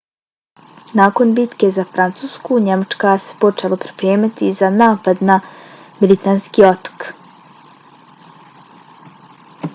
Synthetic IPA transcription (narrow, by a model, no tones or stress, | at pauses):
naːko̞nbit̪ke̞zafɾant̪suːskuɲemat͡ʃkase̥po̞t͡ʃelˠopɾi̥pɾeːmat̪izanaːpad̪namilit̪aːnskio̞t̪o̥k